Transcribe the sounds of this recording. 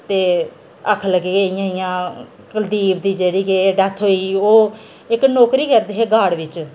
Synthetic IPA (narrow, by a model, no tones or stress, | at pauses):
t̪eː | əkʰləɡeːkeɪjãːɪjãː | kəld̪iːbd̪iːd͡ʒeːɽiːkeːɖɛt̪ʰɦoːiːoː | ɪknoːkɾiːkɛɾd̪eːɦeːɡaːɽʋɪt͡ʃ